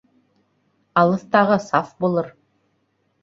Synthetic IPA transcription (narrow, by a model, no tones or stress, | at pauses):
ɑlˠɤ̆θt̪ɑʁɤsɑfbulˠɤɾ